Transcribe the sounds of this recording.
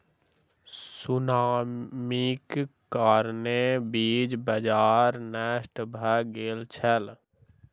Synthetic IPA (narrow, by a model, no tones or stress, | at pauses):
sʊnaːmikː | aːɾnebiːd͡ʒbəd͡ʒaːɾnɛːʃʈbʱəɡeːlt͡ʃʰəl